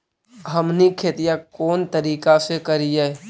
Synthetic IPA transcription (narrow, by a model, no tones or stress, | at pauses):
ɦəmnikʰeːt̪ijakoːnt̪əɾiːkasekəɾijɛː